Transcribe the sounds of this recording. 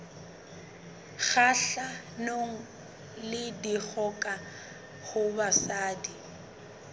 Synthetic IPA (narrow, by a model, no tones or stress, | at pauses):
ɣaɬa | noŋ̩ | lɪdiɣɔkʼa | hʊbasaːdi